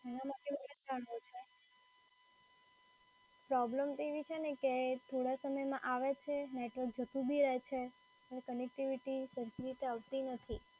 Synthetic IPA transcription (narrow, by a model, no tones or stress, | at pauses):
ɛnamaʈemoled͡ʒaɳot͡ʃʰe | pɾɔbləmt̪eʋit͡ʃʰeneket̪ʰoɽasəməjmãʔaʋet͡ʃʰeneʈʋəɾk̚d͡ʒət̪ũbʱiɾɛɦt͡ʃʰe | ənekənek̚ʈiʋiʈisəɾt̪iɾit̪eaʋt̪inət̪ʰi